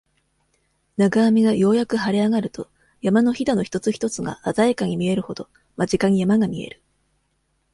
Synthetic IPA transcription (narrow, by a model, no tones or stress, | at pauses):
naɡaːmʲiɡajo̞ːjakɯ̟ɦaɾʲeaɡaɾɯ̟t̪o̞ | jamano̞çid̪ano̞çi̥t̪o̞t͡sɨçʲi̥t̪o̞t͡sɨɡa̰ʔazaekaɲ̟imʲie̞ɾɯ̟ho̞d̪o̞ | mad͡ʑikaɲ̟ijamaɡamʲie̞̰ɾɯ̟̥